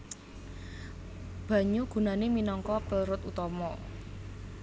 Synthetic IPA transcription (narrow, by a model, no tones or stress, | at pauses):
b̥ä̤ɲuɡ̥ṳnaneminɔŋkɔpəɾʊt̪ut̪ɔmɔ